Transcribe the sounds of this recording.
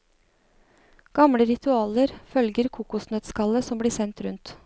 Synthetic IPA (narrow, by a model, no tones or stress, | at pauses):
ɡ̥ɑmɽəɾɪt̪ʰʉɑːləɾfœlɡəɾkʰuːkʊsnœt̪skɑləsɔmbliːsɛnt̪ɾʉnt̪